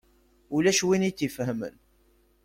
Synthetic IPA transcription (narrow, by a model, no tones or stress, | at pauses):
ulæʃwinit͡sːifhəmə̰n